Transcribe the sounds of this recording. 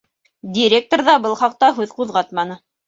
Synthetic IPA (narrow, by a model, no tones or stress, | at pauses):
dʲiɾʲek̚t̪orðɑbɤlˠχɑq̚t̪ɑɦʉðquðʁɑt̪mɑnɤ